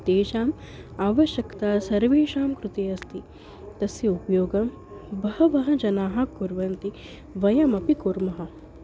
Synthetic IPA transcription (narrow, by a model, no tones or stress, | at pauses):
d̪̥eːʃaːm | aːʋɐʃjɐkt̪aːsɐɾʋeːʃaːmkɾut̪eːɐst̪i | t̪ɐsjɐupɐjoːɡɐm | bɐɦɐʋɐɦɐ̆d͡ʒɐnaːɦɐkuɾʋɐnt̪i | ʋɐjɐmɐpikuɾmɐɦɐ̆